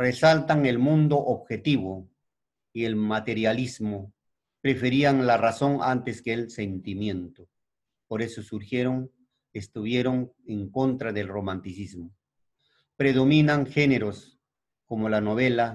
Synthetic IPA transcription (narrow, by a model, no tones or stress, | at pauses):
resalt̪aŋe̞lmũnd̪oʔoβxe̞t̪iβo | ie̞lmat̪e̞ɾjalizmo | pɾe̞fe̞ɾiaŋlaraso̞ŋa̰nt̪e̞skeːlse̞nt̪imje̞nt̪o | po̞ɾe̞sosuɾxje̞ɾo̞ŋ | est̪uβje̞ɾo̞ŋeŋko̞nt̪ɾaðe̞lro̞mant̪isizmo | pɾe̞ðo̞mĩnaŋxe̞ne̞ɾos | ko̞molano̞β̞e̞la